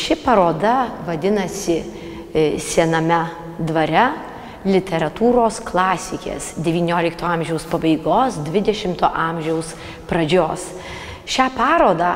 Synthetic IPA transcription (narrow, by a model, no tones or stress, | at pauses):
ʃʲɪpɐɾoːd̪ɐʋɐd̪ʲɪnɐsʲɪ | sʲiɛnɐmʲɛ | d̪ʋɐɾʲɛ | lʲɪt̪ʲɛɾɐt̪uːɾoːsklˠɑːsʲɪkʲḛːsd̪ʲɛʋʲiːnʲoːlʲɪkt̪oːɑmʲʒʲɛʊspɐbɐɪɡoːsd̪ʲʋʲɪd̪ʲɛʃʲɪmt̪oːʔɑːmʲʒʲɛʊs | pɾɐd͡ʒʲoːs | ʃʲæːpɑːɾoːd̪ɑː